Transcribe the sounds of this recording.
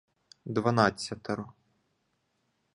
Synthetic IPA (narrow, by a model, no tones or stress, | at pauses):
d̪ʋɐnɑt͡sʲːɐt̪ɔɾɔ